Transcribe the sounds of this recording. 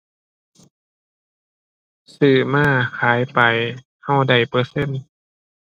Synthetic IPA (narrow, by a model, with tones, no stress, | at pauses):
sɯː˧˩maː˧˥˨kʰaː˨˩˦jpa˨j | ha˧˩wda˨˩jpɤː˧˦se˧˥˨n